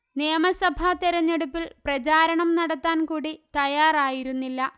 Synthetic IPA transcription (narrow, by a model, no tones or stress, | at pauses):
neːmɐsɐbʱat̪iɾɐɲːeɽupːilprɐt͡ɕaːɾɐɳɐmnɐɽɐt̪ːaːnkuːɽit̪ɐjaːraːjiɾunːilːɐ